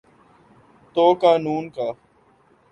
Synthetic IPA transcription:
t̪oːkaːnuːnkaː

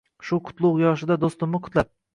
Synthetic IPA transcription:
ʃʊqʰʊ̥t̪lˠʊqjɒʃɪd̪ad̪ost̪ʊmnɪqʰʊ̥t̪lap̚

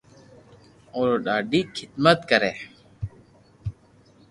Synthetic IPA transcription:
oːɾoɗaːɖiːkʰɪd̪mət̪kəɾeː

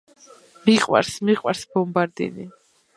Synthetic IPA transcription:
miqʼwa̰ɾsmiqʼwaɾsbɔmbaɾd̪ḭni

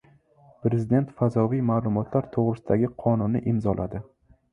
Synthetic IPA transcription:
pɾezɪd̪e̞nt̪fazɒvijmaːlˠʊmɒt̪ʰlaɾt̪ʰoʁɾɪsɪd̪aɡʲɪqʰɒnʊnːɪ̰ʔɪmzɒlʔa̰d̪ɪ

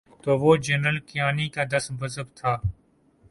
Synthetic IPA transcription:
t̪oːʋoːd͡ʒənɾəlkɪjaːnikad̪ɐsbɐzəbt̪ʰaː

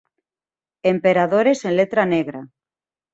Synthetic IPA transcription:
empeɾaðoɾesenlet̪ɾaneɣɾa

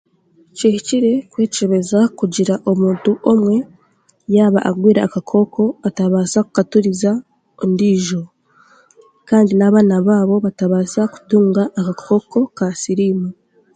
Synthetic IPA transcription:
cehiciɾe̞kwe̞ːceβe̞zakuɟiɾaʔo̞muːntuʔo̞mwe̞ | jaːβaʔaɡwiːɾaːkakʰo̞ːkʰo̞ataβaːsaku̥katuɾiza | ondiːʒo̞ | kaːndinaβaːnaβaːβo̞βataβaːsaku̥tuːŋɡaʔːkakʰo̞ːko̞kasiɾiːma

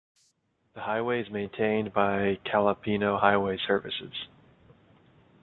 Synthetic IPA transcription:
ðɨhaɪweɪɨzmẽɪ̃ntʰẽɪ̃nbaɪkʰælˠəpʰinoʊhaɪweɪsɜ˞vɨ̰sɪ̰z̥

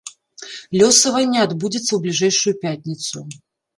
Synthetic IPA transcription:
lʲɔsɐvɐnʲːɛad̪bud͡zʲɛt̪sːɐwblʲiʐɛjʂujupʲat̪ʲnʲit̪sṵ

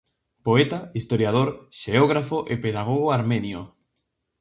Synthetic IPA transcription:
poet̪aist̪oɾjað̞oɾʃeoɣ̞ɾafoʔepeðaɣ̞oɣoaɾmenjo

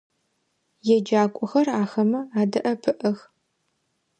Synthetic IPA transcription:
jɛd͡ʒaːkʷʼɔxɐraːxɐmɐaːdɐʔɐpʰɨʔɐx

